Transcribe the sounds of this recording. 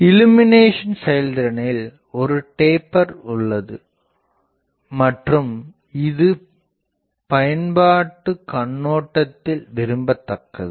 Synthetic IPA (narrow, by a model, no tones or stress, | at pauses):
ɪlɯmɪneːʂɐnsɛjɐld̪ɪɾɐnɐɪl | ɔɾɯʈeːpːɐɾʊɭːɐðɯ | mɐʈrɯm | ɪðɯ | pɐjɐnbaːʈːɯkɐɳːoːʈːɐt̪ːɪlʋɪɾɯmbɐt̪ːɐkːɐ̰ðɯ